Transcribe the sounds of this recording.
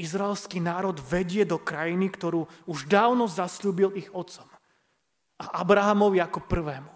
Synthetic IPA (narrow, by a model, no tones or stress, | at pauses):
izɾaɛlskiːnaːɾɔd̪ʋɛɟɪɛd̪ɔkɾajinikt̪ɔɾuːuʒd̪aːʊnɔzasʎuːbiliɣɔt̪sɔ̥m | aʔabɾaɦamɔʋiakɔpr̩ʋɛːmu